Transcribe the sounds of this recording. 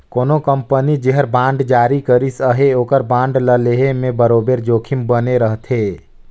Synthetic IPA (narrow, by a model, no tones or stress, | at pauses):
koːnokəmpənid͡ʒeɦəɾbãːɳɖd͡ʒaːɾikəɾisəɦeoːkəɾbãːɳɖləleɦemẽbəɾoːbeɾd͡ʒoːkʰimbəneɾəɦt̪ʰe